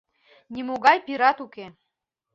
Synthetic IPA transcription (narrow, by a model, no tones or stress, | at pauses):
nʲimoɣɑjpiɾɑt̪uke